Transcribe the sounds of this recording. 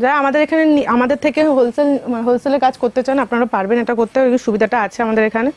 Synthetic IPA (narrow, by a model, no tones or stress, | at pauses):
d͡ʑaamad̪eɾekʰaneniamad̪eɾt̪ʰekeɦolselɦolseleɾkat͡ɕkoɾt̪et͡ɕanapnaɾapaɾbeneʈakoɾt̪eeiʃubid̪ʱaʈaat͡ɕʰeamad̪eɾekʰane